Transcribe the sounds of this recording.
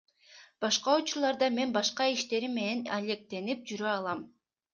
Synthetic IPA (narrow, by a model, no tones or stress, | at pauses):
b̥ɑʃqɑut͡ʃuɾlˠɑɾd̪ɑme̞nbɑʃqɑiʃt̪e̞ɾimːe̞ne̞nalʲe̞k̚t̪e̞nip̚d͡ʒyɾøɑlˠɑm